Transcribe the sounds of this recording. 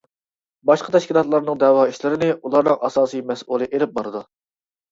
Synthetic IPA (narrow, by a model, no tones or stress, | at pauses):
bɑʃqət̪ʰɛʃkʲilˠɑt̪lˠɑɾnɨŋd̪ɛwɑiʃlɪɾɪnɪulˠɑɾnɨŋʔɑsɑːsijmɛsulˠɨʔelɪp̚bɑɾɨd̪u